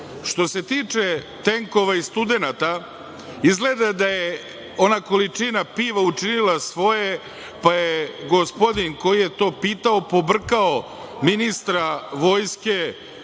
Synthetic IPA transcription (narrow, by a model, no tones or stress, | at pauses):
ʃt̪o̞se̞t̪iːt͡ʂe̞ | t̪eŋko̞ʋaist̪ud̪e̞nat̪a | izɡle̞d̪ad̪aje | o̞nako̞lit͡ʂinapiːʋaut͡ʃinilˠasʋo̞je | pajeɡo̞spo̞d̪iŋko̞jije̞t̪o̞ːpiːt̪ao̞po̞br̩kao̞ | minist̪ɾaʋo̞ːjske̞